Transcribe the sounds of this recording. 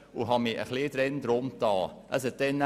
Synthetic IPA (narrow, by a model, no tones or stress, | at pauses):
uɦɑmiʔə̰χlid̥̪ɾɛnd̪ɾʊmtɑːʔə̰s̬ətɛnː